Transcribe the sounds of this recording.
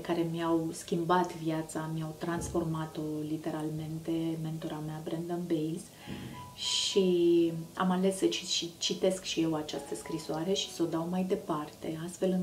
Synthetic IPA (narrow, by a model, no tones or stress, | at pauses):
kaɾe̞mjawskʲimbat̪vjat̪samjawt̪ɾansfo̞rmat̪o̞lit̪e̞ɾalme̞nt̪e̞me̞nt̪oɾameabɾɛnd̪əmbejlz | ʃi | a̰male̞sːət͡ʃiʃit͡ʃit̪e̞skʃije̞wat͡ʃast̪əskɾisoaɾe̞ʃi̥so̞d̪awmajd̪e̞part̪e̞̰ast̪fe̞lɨŋ